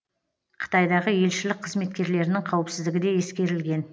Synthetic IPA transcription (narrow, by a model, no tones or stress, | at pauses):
qʰə̥t̪ɑjd̪ɑʁəje̞lʃɪlɪk̚qʰːəzme̞t̪kʲe̞ɾle̞ɾɪnɪŋqʰɑwəpsɪzd̪ɪɡʲɪd̪e̞je̞skʲe̞ɾɪlɡʲe̞n